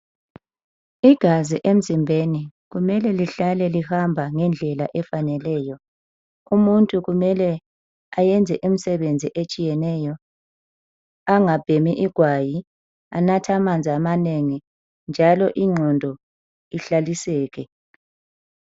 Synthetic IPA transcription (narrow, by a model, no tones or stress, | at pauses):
iɡ̥ʱaziʔem̩zimbʱeniɣumɛlɛliɬalɛlihambʱaŋɛnd͡ɮʱɛlaʔɛfanɛlɛːjɔ | umuntʼuɣumɛlɛ | ajɛnd͡zʱɛʔum̩sɛβend͡zʱiʔet͡ʃʼijɛnɛjɔ | aŋab̥ʱemiʔiɡ̥ʱwaji | anatʰamand͡zʱamaneŋi | nd͡ʒʱalɔʔiŋ͡ǀʱɔndʱɔ | iɬalisɛːɣɛ